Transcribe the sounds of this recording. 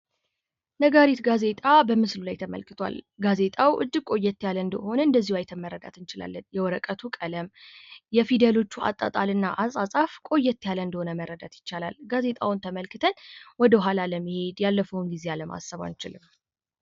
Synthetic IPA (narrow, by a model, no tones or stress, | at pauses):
nəɡaɾit̪ɡaze̞t̪ʼabəmɨslulajt̪ʰəmə̰lkɨ̥t̪ʰwa̰lɡaze̞t̪ʼawʔɨ̰d͡ʒːɪɡ̚kʼo̞jːɛt̪ːjalənd̪əho̞nəɨnd̪əzːihwajt̪ʰəmərːəd̪a̰t̪ɨnt͡ʃɪla̰lːənjɛwɔɾəkʼət̪ʰukʼələmjɛfid̪əlo̞t͡ʃːua̰t̪ʼːə̰t̪ʼalɨnːaʔasʼasʼafkʼo̞jːɛt̪ːjaləɨnd̪əho̞nəmərːəd̪at̪jɪt͡ʃːala̰lɡazet̪ʼawʊnt̪ʰəməlkɨt̪ʰənwɔd̪əɦalaləmːɨhe̞d̪jalːəfəwnɡize̞aləmʔa̰sːəβa̰nt͡ʃɪlɨm